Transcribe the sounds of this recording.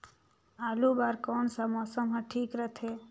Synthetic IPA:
aːlubaːɾkɔːɳsamɔːsəmɦɛʈʰiːkɾət̪ʰeː

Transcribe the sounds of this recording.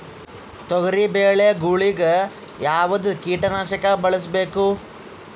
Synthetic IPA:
t̪ɔɡɐɾibeːɭejɐɡuɭiɡe | jaːʋɐd̪ukiːʈɐnaːʃɐkɐbɐɭɐs̬be̞ːku

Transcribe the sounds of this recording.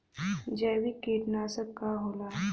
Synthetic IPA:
d͡ʒɛːʋikiːʈnasəkaɦoːla

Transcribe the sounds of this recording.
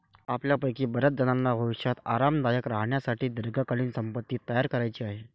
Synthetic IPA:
apljapəjkiːbəɾət̪̚d͡zənanːabʱəʋiʂjat̪aɾamnajəkɾaɦɳjasaʈiːd̪əɾɡʱakaliːnsəmpət̪ːiːt̪ːəjaɾkəɾajt͡ɕiːaɦe

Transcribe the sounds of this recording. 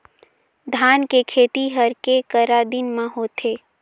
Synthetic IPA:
d̪ʱaːnkekʰeːt̪iɦəɾkekəɾad̪inmãɦoːt̪ʰeː

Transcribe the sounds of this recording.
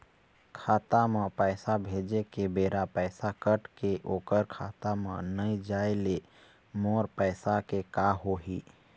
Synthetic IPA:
kʰaːt̪amãpɛːsabʱeːd͡ʒekebeːɾapɛːsakəʈkeʔoːkəɾkʰaːt̪amã̰nəid͡ʒaːele | moːɾpɛːsakekaɦoːɦiː

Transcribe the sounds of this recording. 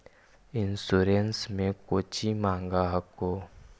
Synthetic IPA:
ɪnsuːɾensmẽkoːt͡ʃimãːŋɡaɦɐkːoː

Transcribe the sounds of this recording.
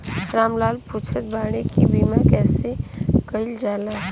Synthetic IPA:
ɾamlaːlput͡ʃʰət̪baɽ̃ekibimakɛːsekəɪld͡ʒala

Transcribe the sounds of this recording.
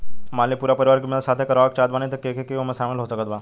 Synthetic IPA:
maːlipuːɾapəɾiʋaɾkimsat̪ʰekəɾʋakt͡ʃaːd̪ʋaːnet̪əkekʰekeʋomẽsaːmilɦosəkət̪ʋa

